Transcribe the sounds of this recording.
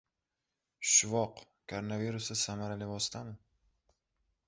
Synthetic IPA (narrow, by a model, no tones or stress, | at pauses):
ʃʊvɒq | kʰoɾonaviɾʊsɪsamaɾalɪvɒst̪ʰamɪ